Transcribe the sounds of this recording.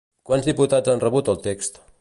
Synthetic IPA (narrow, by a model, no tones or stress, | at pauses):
kwanzðiput̪azanrəβut̪əlˠt̪ekst̪